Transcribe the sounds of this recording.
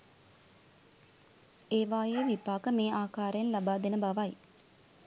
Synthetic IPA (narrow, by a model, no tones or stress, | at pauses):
eːʋaːjeʋipaːkəmeːʔaːkaːɾəjnlabaːd̪enəbaʋaj